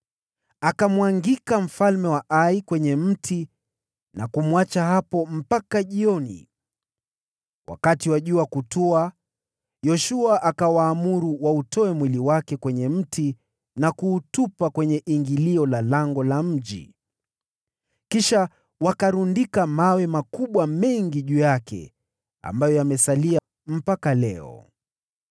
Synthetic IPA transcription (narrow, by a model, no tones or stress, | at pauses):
akamwaŋɡikam̩falmɛwaʔaikwɛɲɛm̩tʰi | nakumwat͡ʃahapɔm̩pakaʄiɔnḭ | wʔa̰katiwaʄuakutua | jɔʃuaʔakawaːmuɾuwautɔɛmwiliwakɛkwɛɲɛm̩tʰi | nakuːtupakwɛɲɛʔiŋɡiliɔlalaŋɡɔlam̩ʄḭ | kiʃa | wakaɾundikamawɛmakuɓwamɛŋɡiʄujakɛ̰ | a̰mbajɔjamɛsalia | m̩pakalɛɔ̰